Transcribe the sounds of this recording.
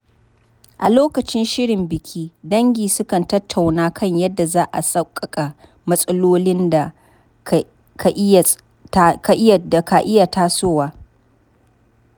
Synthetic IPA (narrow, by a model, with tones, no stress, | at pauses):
ʔa̰˨loː˦kɐ˨t͡ʃɪ˦nʃɪ˦ɽɪ˨mbɪ˨kʲʰiː˦dɐ˦ŋɡʲiː˨sʊ˦kɐ˨ntɐ˦tʰːa˨wnaː˦kʰɐ˦˨ɲjɐ˦dːa˨zaː˦ʔa̰˨sɐ˦kʼːɐ˨kʼa˨ | mɐ˦sʼɐ˦loː˦lɪ˦nda˨ | ka˨ʔ | ka˨ʔda˨ka˨ʔɪ˦ja˨taː˦soː˦waː˦